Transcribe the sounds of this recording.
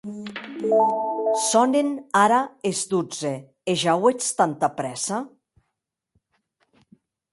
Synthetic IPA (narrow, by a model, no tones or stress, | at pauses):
sɔnenaɾaezd̪ud͡ze | eʒawet͡st̪ant̪apɾɛsa